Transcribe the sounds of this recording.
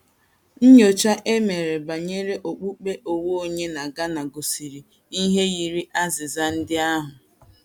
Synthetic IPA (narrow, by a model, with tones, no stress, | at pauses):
n̩˦ɲ˦o˨t͡ʃa˦ʔe˦me˨ɾe˨ba˨ɲe˦ɾe˦ʔo˨k͡pu˦k͡pe˦ʔo˨wo˦o˨ɲe˦na˨ɡa˦na˨ɡo˨si˨ɾi˨ | i˦ɦe˦ji˨ɾi˦ʔa˦zɪ˨za˦n̩˦dɪ˦a˦ɦʊ˨